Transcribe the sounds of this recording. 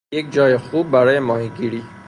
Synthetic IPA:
jek̚d͡ʒɒːjexubːæɾɒːjemɒːhiɡiɾiː

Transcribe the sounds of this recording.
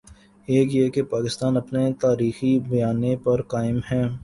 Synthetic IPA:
eːkjekepaːkɪst̪aːnɐpnet̪aːɾiːxibɐjaːnepɐɾkaːɪmɦɛ̃ː

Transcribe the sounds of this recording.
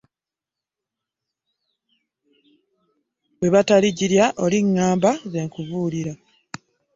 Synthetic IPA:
βwe̞βataliɟiɾjaʔoliŋːaːmbaze̞ŋkuvuːliɾa

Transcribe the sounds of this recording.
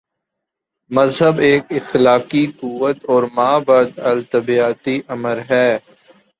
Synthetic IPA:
məzɦəbeːkɪxlaːkikuʋət̪ɔːɾmaːbaːd̪əlt̪əbiaːt̪iʔəməɾɦɛː

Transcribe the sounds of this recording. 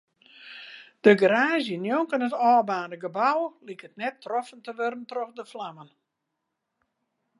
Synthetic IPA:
d̥əɡəraːzjənjoŋkənətɔːbaːnəɡəbawlikətnɛtʰːrɔfəntəʋørəntrɔxdəflamən

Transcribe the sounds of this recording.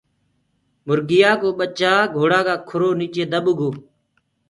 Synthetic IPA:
mʊɾɡɪjaːkoːɓət͡ʃaːɡʱoːɽaːkaːkʰʊɾoːniːt͡ʃeːd̪əɓʊɡʱoː

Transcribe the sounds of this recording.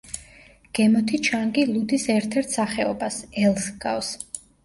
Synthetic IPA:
ɡ̥ɛmɔt̪ʰit͡ʃʰaŋɡilˠud̪isɛɾt̪ʰɛɾt̪ʰsaχɛɔbasɛlˠsɡ̥a̰ws

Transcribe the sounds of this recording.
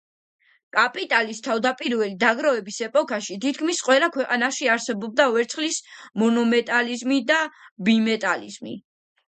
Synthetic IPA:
kʼapʼit̪ʼalist̪ʰavd̪apʼiɾvɛlid̪aɡɾavɛbisɛpʼɔkʰʼaʃit̪ʰit̪ʰkʰmisqʼwɛlˠakʰwɛqʼanaʃiaɾsɛbɔb̚d̪avɛɾt̪sχlismɔnɔmɛt̪ʼalizmid̪abimɛt̪ʼalizmḭ

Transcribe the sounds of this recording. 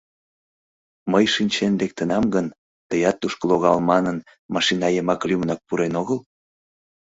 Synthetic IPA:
məjʃinʲt͡ɕend̪ek̚t̪ənɑmɡən | t̪əjɑt̪ːuʃkəloɣɑlmɑnən | mɑʃinɑjəmɑklʲymnɑk̚puɾenoɣəl

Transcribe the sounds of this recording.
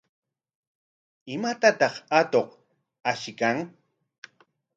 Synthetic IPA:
ɪmat̪at̪ɑχat̪oq | aʃɪkaŋ

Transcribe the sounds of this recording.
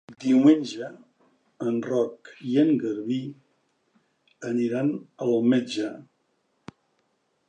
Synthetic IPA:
d̪iwmenʲʒəː | nrɔkiəŋɡəɾβi | əniɾanəlmed͡ʒə

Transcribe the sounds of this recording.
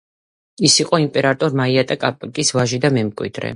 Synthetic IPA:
isiqʼɔimpʼɛɾat̪ʼɔɾmaiat̪ʼakʼapʼkʼisvaʒid̪amɛmkʼwḭd̪̥ɾɛ̰

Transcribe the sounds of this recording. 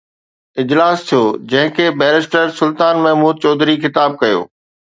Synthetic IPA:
ɪd͡ʑlaːst̪ʰijod͡ʑɐ̃ɦɪ̃kʰeːbɛːɾɪsʈəɾsʊlt̪aːnmɛɦmuːd̪̚t͡ɕɔːd̪ɾixɪt̪aːb̚kɐjo̰ː

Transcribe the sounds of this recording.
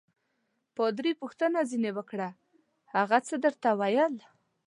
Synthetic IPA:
pɔd̪ɾipuxt̪ənazinewəkɽa | haɣat͡səd̪əɾt̪awajəl

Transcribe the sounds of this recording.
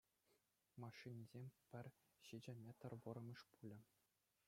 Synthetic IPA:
mɑʂːinʲizʲemʲpʲɘ̆rʲ | ɕid͡ʑɘ̆mʲet̪ɤ̆rʋɤ̆ɾɤ̆mʲɤ̆ʂpulʲɘ̆

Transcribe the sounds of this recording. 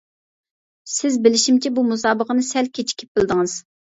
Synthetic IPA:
sɪzbɪlɪʃimt͡ʃʰɛbumus̬ɑːbəqənɨsɛlkʲʰet͡ʃʰi̥kʲʰi̥p̚b̥ɪlˠd̪ɨŋɨz̥

